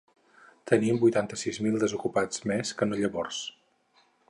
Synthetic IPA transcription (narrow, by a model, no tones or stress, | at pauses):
t̪əniəmbujt̪ant̪əsizmilˠd̪əzukupad͡zmeskənoʎəβɔrs